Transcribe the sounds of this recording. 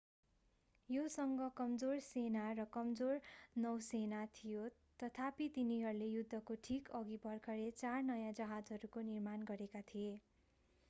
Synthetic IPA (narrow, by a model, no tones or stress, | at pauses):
josʌŋɡʌkʌmd͡zorsenarʌkʌmd͡zornʌwsenat̪ʰijo | t̪ʌt̪ʰapit̪iniɦʌɾulejud̪ʱːʌkoʈʰikʌɡibʌrkʰʌlet͡sarnʌjãd͡zʌɦad͡zɦʌɾukonirmanɡʌɾekat̪ʰije